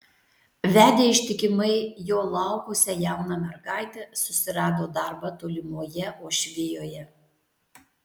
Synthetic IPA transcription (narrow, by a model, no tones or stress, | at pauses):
ʋʲæːd̪ʲeːɪʃʲt̪ʲɪkʲɪmɐɪjoːlˠɑˑʊkʊsʲɛjæˑʊnɑmʲɛɾɡɑˑɪt̪ʲɛsʊsʲɪɾɑːd̪oːd̪ɐˑɾbɐt̪oːlʲɪmoːjɛoːʃʲʋʲɪjoːjɛ